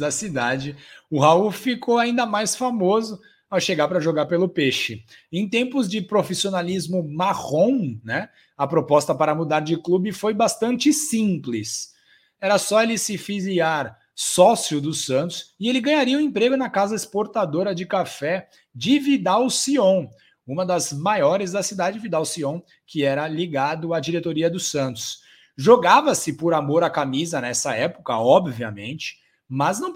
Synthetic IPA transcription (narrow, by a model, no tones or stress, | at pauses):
d̪ɐsid̪ad͡ʒɪʊɦaufikʰoaĩnd̪ɐmajsfamozʊ | awʃeɡaɾpɾɐʒoɡaɾpelʊpeʃɪẽj̃t̪ẽmpʊzd͡ʒɪpɾofisionalizmʊmaʁõw̃nɛ | ɐpɾopɔst̪ɐpaɾɐmud̪aɾd͡ʒɪklubɪfojbast̪ɐ̃nt͡ʃɪsĩplɪs | ɛɾɐsɔelɪsɪfiziaɾ | sɔsiʊd̪ʊsɐ̃nt̪ʊ̥sɪelɪɡɐ̃ɲaɾiɐũẽmpɾeɡʊnɐkazɐɪspoɾt̪ad̪oɾɐd͡ʒɪkafɛ | d͡ʒɪvid̪awsiõw̃ | ũmɐd̪ɐzmajɔɾɪzd̪ɐsid̪ad͡ʒɪvid̪awsiõw̃ | kɪɛɾɐliɡad̪ʊad͡ʒiɾet̪oɾiɐd̪ʊsɐ̃nt̪ʊ̥s | ʒoɡavɐsɪpʊɾamoɾakamizɐnɛsɐɛpʊ̥kɐɔbviɐ̰mḛ̃nt͡ʃɪ̥ | mɐznɐ̃w̃